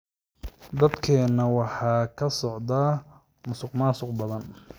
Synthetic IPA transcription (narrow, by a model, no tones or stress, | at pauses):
d̪ɐd̪kʰɛːnːɐwɑħɑːkʰɐsɔʕd̪aː | mʊsʊqmaːsʊqbɐðɐn